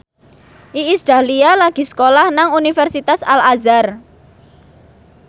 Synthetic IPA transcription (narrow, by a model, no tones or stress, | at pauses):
ʔiist̪ɾalialaɡ̥i̤sə̥kolahnaŋunifɛrsit̪asalazar